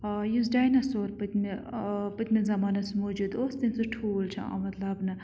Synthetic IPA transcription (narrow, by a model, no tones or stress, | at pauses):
jus̬ɖaːjnɐsoːɾpɨt̪ʲmepɨt̪ʲmizɐmaːnɐsmoːd͡ʒuːd̪oːsd̪insuʈʰuːlt͡ʃʰɐ̰a̰mɐt̪lɐbnɨ